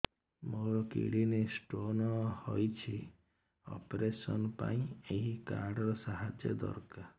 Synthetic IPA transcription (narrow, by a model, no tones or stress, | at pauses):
moɾɔkḭɽinesʈonɔhɔjt͡ʃʰi | ɔ̰pɾesɔnɔpa̰ĩeɦikaɾɽɔɾɔsaɦad͡ʒjɔ̰d̪ɔ̰ɾka